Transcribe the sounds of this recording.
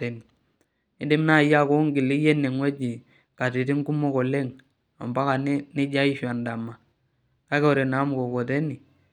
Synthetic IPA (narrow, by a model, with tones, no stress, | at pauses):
e˨ni˨ | ɪ˦di˦mna˦˨ja˦˨ko˦ŋɡi˨li˦je˦ne˨ŋwe˦d͡ʒi˨ | ka˨ti˨ti˦ŋ˦ku˦mo˦kɔ˨le˦ŋ | a̰˨mba˦ka˨n˦nɪ˦d͡ʒa˦i˦ʃa˨nda˨ma˨ | ka˦ke˦ɔ˨ɾe˨na˨˦m˨ko˨kɔ˨te˦ni˨